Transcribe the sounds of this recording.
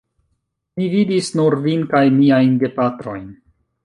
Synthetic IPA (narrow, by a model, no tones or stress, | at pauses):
mividisnuɾvinkajmiajnde̞pat̪ɾo̞jn